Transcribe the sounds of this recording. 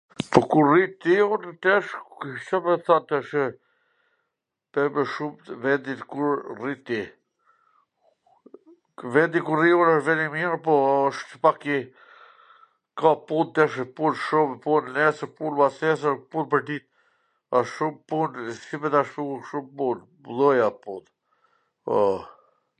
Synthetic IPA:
pɔkuɾrit̪iunit̪ɛʃt͡ʃɔmɛθant̪ʃ | pɛməʃumvɛnd̪ikuɾrit̪ːi | vɛnd̪ikuriunəʃvɛnimiɾpɔəʃəpaki | kapunt̪ɛʃpunʃumpunnɛsəɾpunbasɛs̬əɾpunpəɾd̪it̪̚ | aʃʃumpunsibɛt̪aʃt̪uʃumpun | ðɔjapund̪ | ɔ

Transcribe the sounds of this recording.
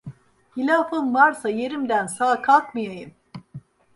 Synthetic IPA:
hilʲaːfɯmvaɾsaje̞ɾimd̪ænsaːkʰalˠkmɯjajɯm

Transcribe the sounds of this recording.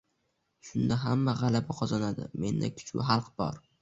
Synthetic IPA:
ʃʊnd̪aɦamːaʁɑlabaqʰɒzanad̪ɪ̰me̞̰nd̪a̰kʲʰʊ̥t͡ʃbʊ̰ɦɑlˠqbɒ̰ɾ

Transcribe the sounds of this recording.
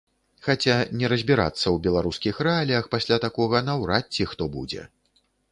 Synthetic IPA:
xat͡sʲanʲɛɾɐzʲbʲiɾa̰t̪sːɐwbʲɛlˠaɾuskʲixrɛalʲijɐxpasʲlʲat̪akɔɣɐnɐwɾatt͡sʲːixt̪ɔbṵd͡zʲɛ̰

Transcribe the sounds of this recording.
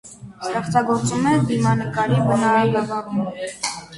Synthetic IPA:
st̪ɛχt͡sɑɡɔɾt͡sumɛd̪imɑnəkɑɾibənɑɾɑɡɑɡɑrumɔ

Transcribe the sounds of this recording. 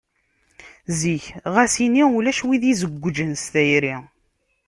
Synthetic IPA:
ziçʁæsiniulæʃwiðizəɡʷːd͡ʒənst̪æjɾi

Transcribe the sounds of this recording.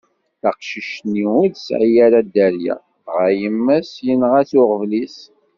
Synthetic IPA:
θæqʃəʃniʊðsʕijæɾad̪æɾjæ̰ | ʁæjəmːæsjənʁæθʊʁvlis

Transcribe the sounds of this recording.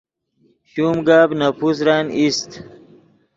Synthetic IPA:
ɕumɡabnapus̬ɾanist̪

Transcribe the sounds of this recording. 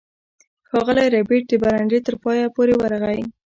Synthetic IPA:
xɑɣəlajɾabeʈ̚d̪əbaɾaɳɖet̪əɾpɑjapoɾewaɾɣaj

